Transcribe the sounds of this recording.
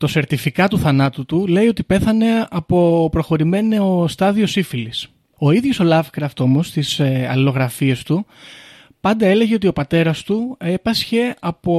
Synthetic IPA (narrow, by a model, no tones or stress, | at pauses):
t̪o̞se̞ɾt̪ifikɐt̪uθɐnɐt̪ut̪ule̞iot̪ipe̞θɐne̞ɐpo̞pɾo̞xo̞ɾime̞neost̪ɐðio̞sifilis | o̞iðʝo̞so̞lɐfkɾɐft̪o̞mo̞st̪isɐ̰lilo̞ɣɾɐfie̞st̪u | pɐnd̪ɐe̞le̞ʝe̞o̞t̪io̞pɐt̪e̞ɾɐst̪uepɐsçe̞ɐpo̞